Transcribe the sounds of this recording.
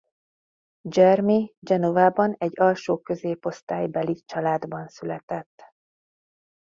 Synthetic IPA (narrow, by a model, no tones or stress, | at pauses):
d͡ʒɛrmid͡ʒɛnovaːbɒnɛɟːɒlʃoːkø̞zeːpo̞st̪aːjbɛlit͡ʃɒlaːd̪bɒnsylɛt̪ɛt̪ː